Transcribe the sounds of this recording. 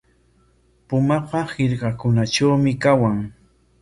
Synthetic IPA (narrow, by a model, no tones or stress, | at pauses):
pʊmɑpɑhɪɾɢɑkʊnaʈ͡ʂawmɪkawaŋ